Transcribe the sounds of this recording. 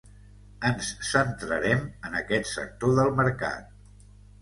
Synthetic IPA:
ənssənt̪ɾə̰ɾɛmənəkɛt̪sə̰k̚t̪oðəlˠməɾka̰t̪̚

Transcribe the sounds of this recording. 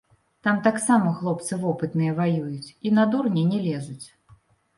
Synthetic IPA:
t̪amt̪aksamɐxlˠɔp̚t̪sɨvɔpɨt̪nɨjɐvajujut͡sʲinad̪urnʲɛnʲɛlʲɛzut͡sʲ

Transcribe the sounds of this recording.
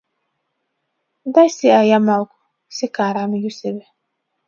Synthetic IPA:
dajsɛajamalkʊ̥ | sɪkaːɾamjusɛbɛ

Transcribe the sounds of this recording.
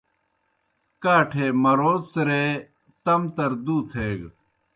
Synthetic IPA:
kaːʈʰeːmɐɾoːt̪sɾeː | t̪ɐmt̪ɐɾd̪uːt̪ʰeːɡ

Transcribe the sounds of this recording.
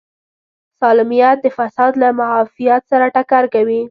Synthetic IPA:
sɑlɪmijat̪̚d̪əfasɑd̪lamaɦɑfijat̪saɾaʈakaɾkawi

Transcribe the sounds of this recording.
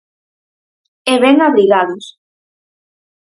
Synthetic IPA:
eβɛŋaβɾiɣaðʊs

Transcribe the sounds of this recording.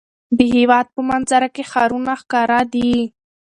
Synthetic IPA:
b̪əɦiwɑːd̪̚pəmanzaɾakexaːɾunaxkaːɾad̪i

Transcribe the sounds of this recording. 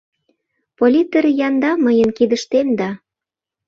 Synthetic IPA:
polʲit̪eɾejɑnd̪ɑməjənkid̪ə̆ʃt̪emd̪ɑ

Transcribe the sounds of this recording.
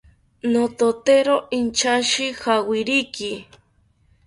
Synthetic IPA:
not̪ot̪eɾoʔint͡ʃaʃɪxawɪɾiki

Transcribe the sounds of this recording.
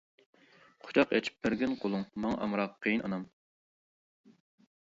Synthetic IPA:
qʰʊ̥t͡ʃʰɑqɛ̰t͡ʃʰi̥p̚bɪɾɡʲɪnqʰolˠuŋmɑŋʔɑ̰mɾɑqʰːejinʔɑ̰nɑm

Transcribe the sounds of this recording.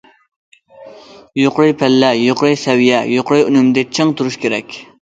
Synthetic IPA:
joqɾɨjpʰælːɛjoqɾɨjsɛwijɛjoqɾɨjynymd̪ɪt͡ʃʰeŋt̪ʰuɾuʃkʲʰeɾɛkʲ

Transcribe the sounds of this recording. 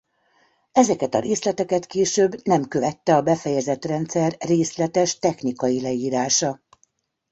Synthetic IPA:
ɛzɛkɛt̪ɒ̰ɾeːslɛt̪ɛkɛt̪keːʃøːbːnɛmkø̞vɛt̪ːɛɒbɛfɛjɛzɛt̪rɛnt̪sɛrːeːslɛt̪ɛʃt̪ɛxnikɒjilɛiːɾaːʃɒ

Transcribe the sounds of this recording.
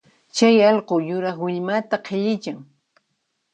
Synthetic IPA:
t͡ʃajɑʎqojʊɾɑχwɪʎmat̪aqʰeʎɪt͡ʃaŋ

